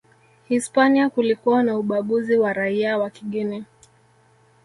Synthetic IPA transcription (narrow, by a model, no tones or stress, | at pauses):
hispaniakulikuanauɓaɠuziwaɾaiawakiɠinɛ